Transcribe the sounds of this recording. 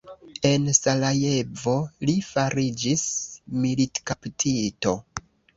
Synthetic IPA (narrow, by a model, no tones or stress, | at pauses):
e̞nsalaje̞vo̞lifaɾid͡ʒismilitkaptʰito̞